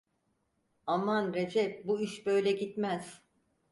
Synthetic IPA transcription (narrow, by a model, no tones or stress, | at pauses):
amanɾed͡ʒɛp̚buiʃbøjlʲɛɟit̪mæz̥